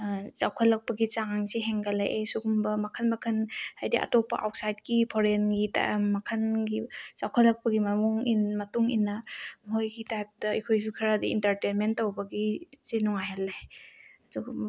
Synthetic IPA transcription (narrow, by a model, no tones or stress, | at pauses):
zawkʰɐlːɐk̚pɐɡit͡ʃaŋŋseɦeŋɡɐla̰jʔesuɡumbɐmɐkʰɐnbɐkʰɐnhajdiʔɐ̰topɐ̰ʔa̰wt̚sajdkipʰoɾenɡita̰mɐkʰɐnɡizawkʰɐlːɐk̚pɐɡimɐmɔŋinmɐtuŋḭnːɐmɦojɡitajp̚tɐḭkʰojsukʰɐɾadiḭntɐɾtenmentːɐwbɐɡizenuŋajalːajsu